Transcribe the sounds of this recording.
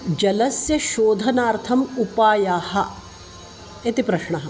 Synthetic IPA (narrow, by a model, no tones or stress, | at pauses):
d͡ʒɐlɐsjɐʃoːd̪ʱɐnaːɾt̪ʰɐmupaːjaːhɐ̆ | et̪ipɾɐʃɳɐɦɐ